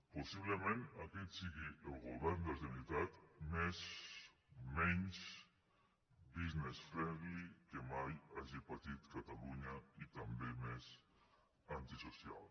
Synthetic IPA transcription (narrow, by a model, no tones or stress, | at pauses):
posiβlemẽnaket̪siɣiʔelɣoβɛɾnd̪elðemit̪at̪mez | meɲs | biznesfɾɛβlikemajaʒipat̪it̪kat̪aluɲait̪ambemes | ant̪isosja̰l